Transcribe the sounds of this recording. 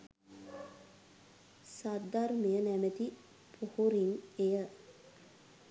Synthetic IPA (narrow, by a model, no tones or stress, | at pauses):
sad̪armejənæmət̪i | pʰuhuɾinejə